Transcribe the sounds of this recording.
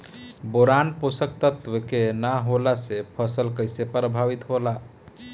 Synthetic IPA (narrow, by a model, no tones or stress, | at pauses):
boɾanposək̚t̪ət̪ʋəkenaɦolasepʰəsəlkəjsepəɾbʱaʋit̪ɦola